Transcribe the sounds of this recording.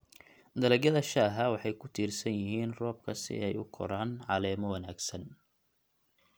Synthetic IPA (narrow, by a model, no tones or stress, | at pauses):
d̪ɐlɐɡjɐðɐʃaːɦɐwɑħɑjkʰʊt̪ʰiːrsɐnjɪɦiːnrɔːb̚kʰɐsɪ̰ɛjʊkʰɔ̰ɾaːnʕɑlɛːmɔwɐnaːɡsɐn